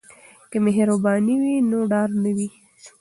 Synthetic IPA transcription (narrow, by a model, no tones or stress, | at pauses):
kəmeɦɾobɑniwinoɖɑɾnəwi